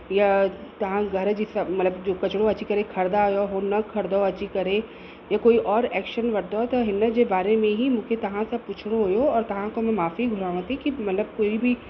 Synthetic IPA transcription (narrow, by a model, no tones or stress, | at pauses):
jat̪ɐɦãɡʱɐɾd͡ʒɪsɐmɐt̪ləbd͡ʒoːkɐt͡ʃɽoɐtːʃʰikɐɾekʰɐɾd̪ajoɦonɐkʰɐɾd̪oɐt͡ʃʰikɐɾe | jakoːiʔɔːɾɛːkʃənʋɐɾd̪ot̪ɐɦɪnːət̪d͡ʒebaːɾemẽɦimʊkʰet̪ɐɦãsɐpuːt͡ʃʰɽ̃oɦojoɔːɾt̪ɐɦãkomɛ̃maːfiɡʱʊɾaːʋãt̪ʰĩkimɐt̪ləb̚koːibʱi